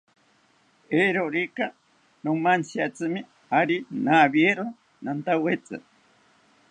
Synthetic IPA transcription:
eɾoɾika | nomansjat͡sɨmi | aɾinaβjeɾo | nant̪awet͡sɨ̰

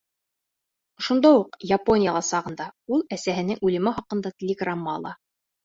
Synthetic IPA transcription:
ʃund̪ɑuqjapo̞nʲijalˠɑsɑʁɤ̆nd̪ɑulˠæsæɦɘ̆nɘŋʉlɘ̆mɘχɑqɤ̆nd̪ɑt̪ʲɪlʲeɡramːɑɑ̰lˠɑ

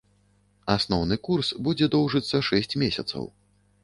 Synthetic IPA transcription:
asnɔwnɨkursbud͡zʲɛd̪ɔwʐɨt̪sːɐʂɛsʲt͡sʲmʲesʲɐ̰t̪sɐ̰w

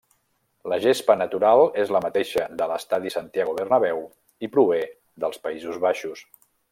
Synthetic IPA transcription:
ləʒespənət̪uɾalˠezləmət̪eʃəðələst̪aðisənt̪jaɣ̞uβərnəβɛw | ipɾuβe | ðəlˠspəizuzβaʃus

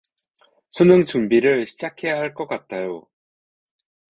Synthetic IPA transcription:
sʰunɯŋt͡ɕumbiɾɯɭɕʰid͡ʑakʰe̞jaɦaɭk͈ʌk͈at̚t͈ʰajo̰

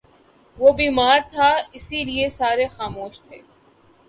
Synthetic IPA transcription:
ʋoːbiːmaːɾt̪ʰaɪsiliesaːɾexaːmoːʃt̪ʰeː

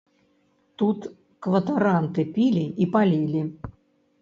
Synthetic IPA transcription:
t̪ut̪ | kvɐt̪aɾant̪ɨpʲilʲiʔipalʲilʲi

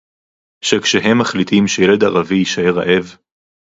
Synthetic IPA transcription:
ʃekʃeɦe̞mːaχlit̪imʃejeleda̰ʁavijiʃae̞ʁa̰ʔe̞v

